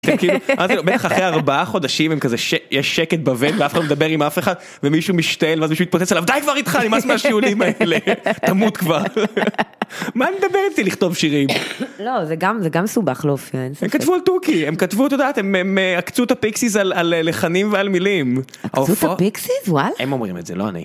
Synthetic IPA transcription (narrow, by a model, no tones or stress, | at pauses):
t̪emkiluʔazlbet̪aχaχʁejaʁbaaχo̞d̪aʃimhemkazeʃejeʃeket̪̚bavenveafχadlomed̪abeʁimafeχad̪ | vemiʃumiʃt̪aelveazmiʃumit̚pot͡sesalavd̪ajkvaʁit̪χanimasmeaʃiulimaelet̪amut̪kvaʁ | maːned̪abeʁittiliχt̪ovʃiʁimlozeɡamzeɡamesubaχlofiaenemkat̪vualt̪ukiemkat̪vut̪od̪aːt̪ememeakt͡sut̪apiksizalalːeχanimvealmilimaasufopiksizwalaemo̞mʁḭmetzelo̰a̰nḭ